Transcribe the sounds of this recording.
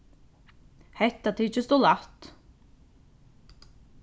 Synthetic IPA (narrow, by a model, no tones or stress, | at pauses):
hɛht̪ːat̪ʰiːt͡ʃɪst̪ɔlaht̪